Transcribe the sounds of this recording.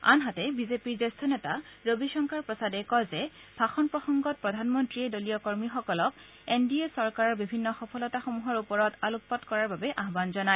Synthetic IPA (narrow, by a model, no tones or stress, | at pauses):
a̰nɦatɛbizepiɹzestʰɔnɛtaɹobiʃɔŋkʰaɹpɹɔsadɛkɔzɛ | bʱaxɔnpɹɔxɔŋɡɔt̚pɹɔdʱanmɔntɹiɛdoliɔkɔɹmixɔkɔlɔk̚ | endiesɔɹkaɹɔɹbibʱinːɔxɔpʰɔlɔtaxomuɦɔɹupɔɹɔtaluppɔtkɔɹaɹbabɛʔaɦbanzɔnaj